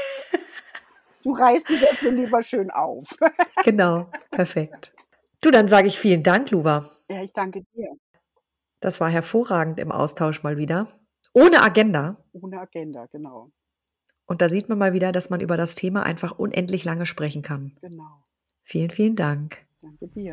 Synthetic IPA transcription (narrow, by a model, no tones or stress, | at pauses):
d̥uːʁaɪstizɛsniːliːbɐʃøːnʔa̰ʊfɡ̥ənaʊpʰɛɐfɛkt | d̥uːdanzaːɡəɪçfiːləndaŋkluːva | jaːɪçd̥aŋkədiːɐ | d̥asv̥aːɐɦɛɐfoːɐʁaːɡŋ̩tɪ̰mʔa̰ʊstʰaʊʃmaːlviːdɐ | ʔoːnəʔaɡɛndaʔoːnəaɡ̥ɛndaɡ̥ənaʊ | ʔʊntd̥aːziːtmanmaːlviːdɐdasmanʔy̰ːbɐɾastʰeːmaʔa̰ɪnfaχʔʊ̰nʔɛ̰ntlɪçlaŋəʃpʁ̥ɛçn̩kʰanɡ̥ənaʊ | fiːlənfiːləndaŋk | d̥aŋkədiːɐ